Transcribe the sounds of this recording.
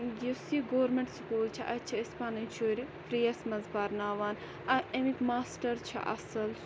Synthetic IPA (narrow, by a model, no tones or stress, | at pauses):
jusiɡoːɾmẽɳʈskuːlt͡ʃʰiʔɐt͡ʃʰiispaːnɐnt͡ʃʰuɾi | fɾijɐsmɐzbaːɾnaːʋaːn | ɐemikmaːsʈɐɾt͡ʃʰḭʔɐ̰sɐl